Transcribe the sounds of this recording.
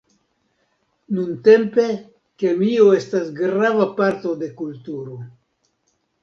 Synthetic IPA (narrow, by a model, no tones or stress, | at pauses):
nunte̞mpe̞ | ke̞mio̞e̞stasɡɾavapaɾto̞de̞kultuɾo̞